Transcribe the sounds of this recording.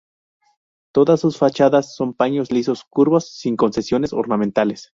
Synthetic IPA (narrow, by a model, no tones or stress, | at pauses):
t̪o̞ðasːusfat͡ʃaðasːo̞mpaɲo̞zliso̞skuɾβo̞sːiŋko̞nse̞sjo̞ne̞soɾnament̪ale̞s